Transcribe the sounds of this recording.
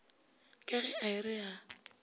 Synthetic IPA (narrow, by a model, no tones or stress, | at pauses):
kʼɛɣɛaɪrɪa